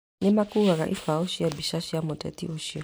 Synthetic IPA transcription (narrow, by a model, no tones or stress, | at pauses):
nɛmakuɣaɣa̰ʔḭfaɔʃijabiʃaʃiamɔtɛ̰tḭuʃiɔ